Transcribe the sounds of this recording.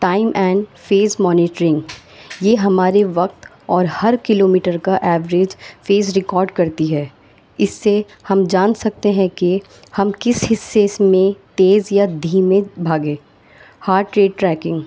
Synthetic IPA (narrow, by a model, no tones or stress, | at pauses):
ʈaːɪmʔɛ̃ːɳɖfeːzmɔːnɪːʈɾɪ̃ŋɡjeːɦɐmaːɾeʋɐkt̪ | ɔːɾhɐɾkɪloːmiːʈəɾkaʔɛːʋɾeːd͡ʒfeːzɾɪkɔːɾɖkɐɾt̪iɦɛː | ɪsːe | hɐmd͡ʒaːnsɐk̚t̪eɦɛ̃ki | hɐmkɪshɪsːesmẽt̪eːzjad̪ʱiːmẽbʱaːɡẽː | haːɾʈɾeːɖʈɾɛːkɪ̃ŋɡ